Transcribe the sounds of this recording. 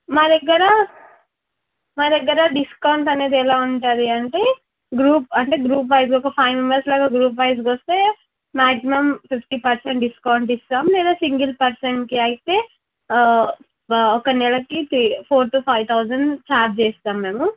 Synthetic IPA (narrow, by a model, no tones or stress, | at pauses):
maːd̪ɛɡːɐɾɐ | maːd̪ɛɡːɐɾɐɖiskɐwɳʈɐne̞ːd̪iɛlaːuɳʈaːd̪iɐɳʈe̞ː | ɡɾuːp̚ɐɳʈe̞ːɡɾuːp̬bɐjs̬kɔkɐpʰɐjmimɐɾslaːɡaːɡɾuːp̚bɐjs̬kost̪e̞ː | maːksimɐmpipʰʈipɐɾseɳʈɖiskɐwuɳʈist̪aːmlɛːd̪aːsiŋɡilpɐɾseɳʈkiɐjit̪e̞ː | ɔkɐnɛlɐkit̪ʰɾiːpʰoːɾʈupʰɐjʋt̪ʰɐwd͡ʒɐɳɖt͡ʃaːp̚t͡ʃeːst̪aːmːe̞ːmu